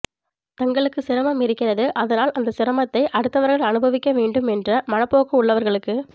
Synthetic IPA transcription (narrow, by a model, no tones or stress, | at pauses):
t̪ɐŋɡɐɭɯkːɯsɪɾɐmɐmɪɾɪkːɪrɐðɯʔɐðɐnaːlʔɐnd̪ɐsɪɾɐmɐt̪ːɐɪʔɐɽɯt̪ːɐʋɐɾɣɐɭɐnɯbɐʋɪkːɐʋeːɳɖɯmɛndrɐmɐnɐpːoːɣɐʊɭːɐʋɐɾɣɐɭɯkːɯ